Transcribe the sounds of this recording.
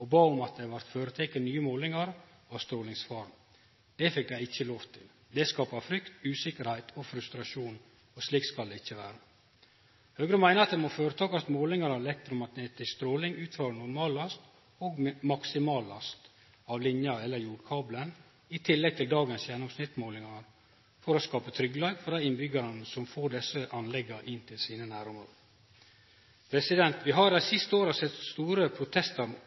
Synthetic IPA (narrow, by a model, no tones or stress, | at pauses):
ɔbɑːʊmɑt̪̚d̪ɛɑʋɑɾt̪føːɾət̪ʰɛkːənnyːəmoːlɪŋɑɾ | ɑʋst̪ɾoːlɪŋsfɑːɾm | d̪̥ɛfɪk̚d̪æɪɪçːəloːʋt̪ʰɪl | d̪ɛskɑːpɑfɾʏkt̪ʉːsɪkəɾhæɪt̪ʰɔfɾʉst̪ɾɑʂuːn | ɔsliːk̪skɑld̪ɛɪçːəʋæːɾə | høːɡɾəmæɪnəɑt̪̚d̪ɛmɔføːɾət̪ʰɑːkɑt̪moːlɪŋɑɾɑʋɛlɛk̚t̪ɾʊmɑt̪neːt̪ɪskst̪ɾoːlɪŋʉːt̪ʰfɑɾnʊɾmɑːlɑst̪ | oːɡmɑksɪmɑːlɑst̪ | ɑːʋlɪnjəɑɛlːəɾjuːɖkʰɑːblən | ɪt̪ʰɪlːɛɡ̚t̪ʰɪld̪ɑːɡənsjɛnːʊmsnɪt̪ːmoːlɪŋɑnə | fɔɾoskɑːpət̪ʰɾʏɡːəlɑːɡfɔɾdɑɪnbʏɡɑɾənəsɔmfoːɾɖ̪ɛsəʔɑnlɛɡːɑʔɪnt̪ʰɪlsiːnənæːɾʊməɾ | pʰɾɛsɪd̪ɛnt̪ʰʋɪɦɑɾæsɪst̪əoːɾəsɛt̪st̪uːɾəpʰɾʊt̪ʰɛst̪əɾ